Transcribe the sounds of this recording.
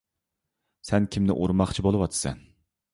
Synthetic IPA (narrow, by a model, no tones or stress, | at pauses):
sɛnkʲʰimnɪ̰ʔoɾmɑχt͡ʃʰibolˠɨwɑt̪ʰɨ̥sɛ̰n